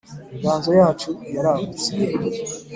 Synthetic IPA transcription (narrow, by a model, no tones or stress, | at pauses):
ŋɡaːnzojaːt͡ʃujaɾaβut͡sije